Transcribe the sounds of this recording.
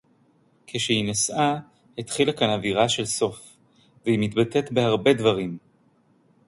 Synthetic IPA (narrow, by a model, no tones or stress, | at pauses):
kʰeʃehinasʔa | het̪χilakanaviʁaʃe̞lso̞f | veimit̪bat̪et̪behaʁbe̞d̪vaʁim